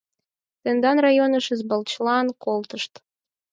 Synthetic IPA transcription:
t̪end̪ɑnrɑjonəʃəzbə̆lt͡ɕlˠɑnkolt̪əʃt̪

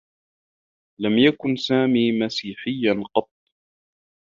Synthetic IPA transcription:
lamjakʊnsaːmiːmasiːħɪjːanqɑt̪̚ˤː

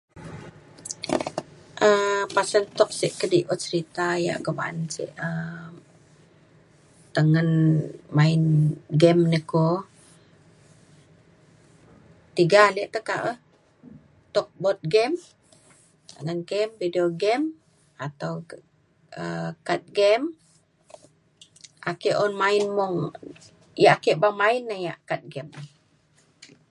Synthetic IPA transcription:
ʔəpasənt̪ɔk̚siʔkədiʔɔt̪̚səɾit̪aja̰ʔɡəma̰nsḭʔə | t̪əŋənmaɪnɡɛmnəko | t̪iɡaliəʔt̪əka̰ʔəh | t̪ɔk̚bɔt̪̚ɡɛm | t̪əŋənɡɛmvidioɡɛm | at̪aw | əkat̪̚ɡɛm | ʔakeʔɔnmainmuŋ | jaʔakeʔbamainːəjaʔkat̪̚ɡɛmə

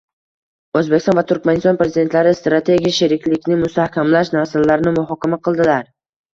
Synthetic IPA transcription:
ɵzbekʲɪst̪ɔnvat̪ʰʊɾkʲmanɪst̪ɒnpɾe̞zid̪e̞nt̪laɾɪst̪ɾat̪ʰe̞ɡʲijaʃɪɾɪkʲlɪkʲnɪmʊst̪ahkʲamlaʃnasɪlːaɾɪnɪmʊɦɒkʲamaqʰɨlˠd̪ɪlaɾ

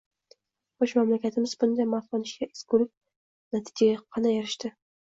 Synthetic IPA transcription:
χoʃmamlakʲʰat̪ʰɪmɪzbʊnd̪ajmaflɑnɪʃkʲaʔɪzɡʊɾɪk̚ʲ | nat̪ʰɪd͡ʒaɡʲaqʰɑnajaɾɪʃt̪ɪ

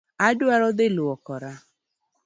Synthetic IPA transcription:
adʊaɾɔd̪eloɔkɔɾa

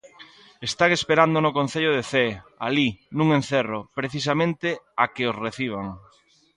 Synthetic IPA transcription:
est̪aɣespeɾand̪onʊkon̟θeʎʊðeθealinũŋenθeropɾeθis̬amẽnt̪ɪakɪosreθiβ̞aŋ

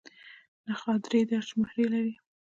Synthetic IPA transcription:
naxɑd̪ɾed̪aʃmahɾelaɾi

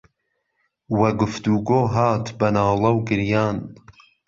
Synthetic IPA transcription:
wɐɡʊft̪uːɡoːɦaːt̪bɐnaːlˠɐwɡɨɾjaːn

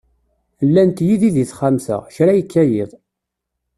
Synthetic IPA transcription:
lːænt̪jiðiðiθχamsə̰ʁçɾæjəkːæjɪ̰ðˤ

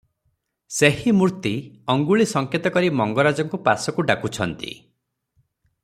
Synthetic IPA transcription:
sehimuɾt̪iɔŋɡuɭisɔŋket̪ɔkɔɾimɔŋɡɔɾad͡ʒɔŋkupasɔkuɖakut͡ʃʰɔnt̪ḭ

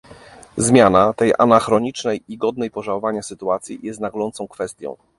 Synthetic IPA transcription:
zmʲjanat̪ɛja̰naxɾɔɲit͡ʂnɛjiɡɔd̪̚nɛjpɔʐawɔvaɲasɘt̪uat̪sʲjḭjɛst̪naɡlɔnt̪sɔ̃w̃kfɛst̪ʲjɔ̰̃w̃

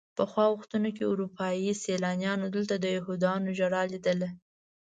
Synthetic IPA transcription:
pəxwɑɣʊxt̪unokeuɾupʰɑjiselɑnjɑnod̪əlt̪ad̪əjahud̪ɑnoʒaɽɑlid̪əla

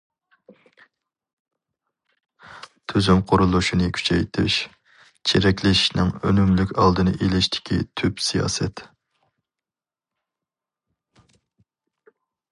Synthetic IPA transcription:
t̪ʰyzymqʰoɾulˠuʃinɨkʲʰy̥t͡ʃʰɛjt̪ʰɪʃ | t͡ʃʰeɾɛkʲʰlɪʃʃnɨŋønymlykʲɑlˠd̪ɨnɨ̰ʔelɪʃt̪ʰɪ̥kʲʰḭt̪ʰypsijɑ̰ːsɛt̪

